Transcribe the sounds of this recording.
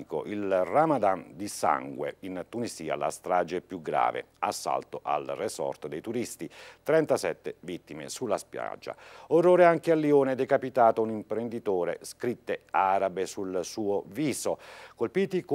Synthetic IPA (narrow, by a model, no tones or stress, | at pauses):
ko̰ʔilramad̪and̪isa̰ŋɡwḛint̪uniziːa̰la̰st̪ɾaːd͡ʒepjuɡɾa̰ːvḛ | a̰sːa̰lt̪oʔa̰lresɔ̰rt̪d̪ejt̪uɾist̪it̪ɾɛnt̪asɛt̪ːevit̪ːimḛsulːaspja̰d͡ʒːa̰oroːɾeaŋkealːioːnɛd̪ekapit̪aːt̪ounimpɾend̪it̪oːɾḛskɾit̪ːeaːɾabesulsuːoviːzokolpiːt̪ik